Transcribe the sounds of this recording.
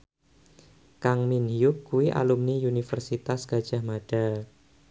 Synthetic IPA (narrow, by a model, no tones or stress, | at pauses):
kaŋminhijʊkːuwiʔa̰lumniunifərsit̪asɡ̥ad̥ʒ̥ahmaɖ̥a